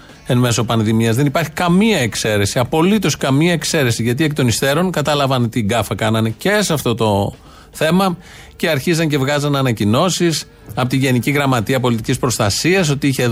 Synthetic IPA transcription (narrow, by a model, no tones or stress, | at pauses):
e̞nme̞so̞pɐnðimiɐzðenipɐɾçikɐmiɐe̞kse̞ɾe̞siɐpo̞lit̪o̞skɐmiɐe̞kse̞ɾe̞siʝɐt̪̬iekt̪o̞nist̪e̞ɾo̞ŋkɐt̪ɐlɐvɐnt̪iɡɐfɐkɐnɐne̞ce̞sɐft̪o̞t̪o̞ | θe̞mɐ | ce̞ɐɾçizɐŋc̬e̞vɣɐzɐnɐnɐcino̞sis | ɐpot̪iʝe̞niciɣɾɐmɐt̪iɐpo̞lit̪icispɾo̞st̪ɐsiɐs̬ot̪iiçe̞